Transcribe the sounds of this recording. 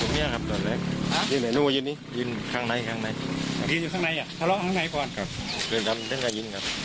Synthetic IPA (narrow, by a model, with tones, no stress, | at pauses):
u˨˧˩mi˧˥˩ɐkʰa˦˧˥p̚dɔː˨˩nlɛː˧˥˩k̚jɯ˧˨nːa˨˩jnuː˧˩˧jɯː˧nːiː˧˥˨jɯː˧˨nkʰaː˧˩ŋna˧˥jkʰaː˧˩ŋna˧˩jʰa˦˧jɯ˧njuː˧kʰaː˧na˧˦jʔa˧˩t̪ʰa˧lɔ˧˥ʔt̪ʰaː˧˥ŋna˧˥jkɔː˧nkʰa˧p̚kʰɯː˨˧˩nkʰa˧mt̪ʰɯ˧˥˨ŋkaː˧njɯ˧nkʰa˦˥p̚